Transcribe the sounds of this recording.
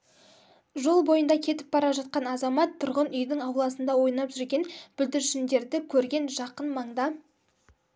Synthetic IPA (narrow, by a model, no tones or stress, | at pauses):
ʒo̞lˠbo̞jənd̪ɑkʲʰe̞t̪ɪ̥p̚bɑɾɑʒɑt̪̚qɑnɑzɑmɑt̪ʰːʊɾʁənʏjd̪ɪŋɑwlˠɑsənd̪ɑwo̞jnɑpʒʏɾɡʲe̞nb̥ʏld̪ɪɾʃɪnd̪e̞ɾd̪ɪkʲʰɵɾɡʲe̞nʒɑqənmɑɴd̪ɑ